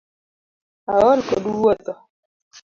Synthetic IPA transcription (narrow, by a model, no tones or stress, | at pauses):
awɔlkɔduwɔt̪ɔ